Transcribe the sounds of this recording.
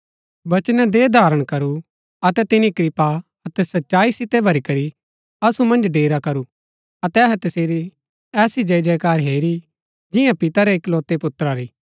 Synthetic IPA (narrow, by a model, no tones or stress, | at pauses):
bɐt͡ʃnɛd̪eʊd̪ʱaːɾəɽ̃kɐɾu | ɐt̪ɛt̪ɪnikɾɪpa | ɐt̪ɛsɐtːʃaːisɪt̪ɛbʱɐɾikɐɾi | ɐsumɐ̃nd͡ʒɖeːɾakɐɾu | ɐt̪ɛɐɦɛt̪ɐseːɾi | ɛːsid͡ʒɐd͡ʒɛːkaːɾɦeːɾi | d͡ʒɪjãpɪt̪aɾɛːkloːt̪epʊt̪ːɾaɾiː